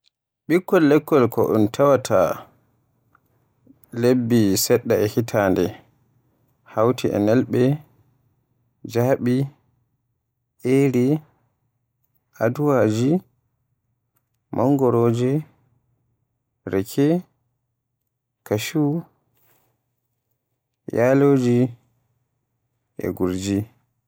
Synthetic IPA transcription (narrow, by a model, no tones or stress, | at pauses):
ɓikːɔlːɛkːɔlkɔʔṵntʰawatʰa | lebːisɛɗːaɛhitʰandɛ | hawtʰiʔɛ̰nɛlɓɛ | d͡ʒaɓi | ʔeɾi | ʔaduwaːd͡ʒi | mɔŋɡɔɾoːd͡ʒi | ɾɛkʰɛ | kaʃu | jaːloːd͡ʒi | ʔɛ̰ɡuɾd͡ʒi